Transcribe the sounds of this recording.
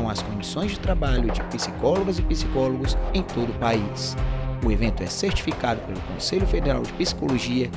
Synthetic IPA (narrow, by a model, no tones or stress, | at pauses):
w̃ɐskõd͡ʒisõj̃zd͡ʒɪt̪ɾabaʎʊd͡ʒɪpisikɔloɡɐzɪpisi̥kɔloɡʊsẽj̃t̪od̪ʊːpaisʊevẽnt̪ʊɛseɾt͡ʃi̥fikad̪ʊpelʊkõseʎʊfed̪eɾa̰wd͡ʒɪpisi̥koloʒiɐ